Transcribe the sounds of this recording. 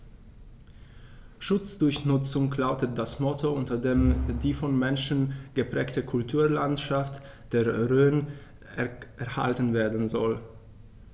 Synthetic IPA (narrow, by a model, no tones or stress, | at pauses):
ʃʊt͡sd̥ʊɐçnʊt͡sʊŋklaʊtət̚d̥asmɔtʰoʊntɐdeːmdiːfɔnmɛnʃn̩ɡ̥əpʁ̥ɛːktəkʰʊltʰuːɐlantʃaft | d̥eːɐʁøːən | ɛʔɛɐha̰ltən̩veːɐdn̩zɔl